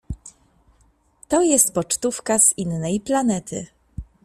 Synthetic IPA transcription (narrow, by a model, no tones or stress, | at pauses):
t̪ɔjɛst̪pɔt͡ʂt̪ufkaz̥inːɛjplanɛt̪ʰɘ̰